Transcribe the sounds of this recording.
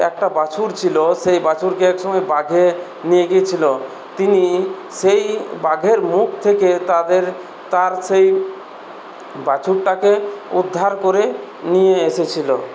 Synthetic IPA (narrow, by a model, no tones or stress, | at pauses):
ɛ̰k̚ʈabat͡ɕʰuɾt͡ɕʰiloʃejbat͡ɕʰuɾkeɛkʃɔmɔebaɡʱe | nijeɡijet͡ɕʰilo | t̪ini | ʃejbaɡʱeɾmuk̚t̪ʰeket̪ad̪eɾ | t̪aɾsej | bat͡ɕuɾʈakeud̪ʱːaɾkoɾe | nijeeʃet͡ɕʰilo